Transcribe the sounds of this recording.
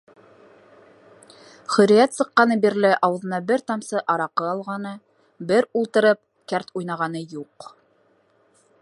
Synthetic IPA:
χɵ̆ɾijæt̪sɤ̆qːɑnɤbiɾlɘʔɑwɤ̆ðɤ̆nɑbɘɾt̪ɑmsɤʔɑɾɑqɤɑlˠʁɑnɤ | bɘɾulˠt̪ɤ̆ɾɤp̚ | kæɾt̪ujnɑʁɑnɤjuq

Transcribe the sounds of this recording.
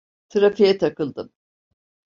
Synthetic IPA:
t̪ʰɯɾafijɛt̪ʰakɯlˠd̪ɯm

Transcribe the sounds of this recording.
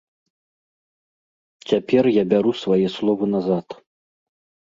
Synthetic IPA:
t͡sʲapʲɛrjabʲaɾusvajɛslˠɔvɐnazat̪

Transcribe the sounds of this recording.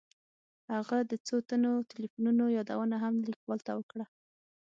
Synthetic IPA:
haɣad̪ət͡sot̪anot̪ɪlifununojɑd̪a̰wənaɦamlikwɑlt̪awəkɽa

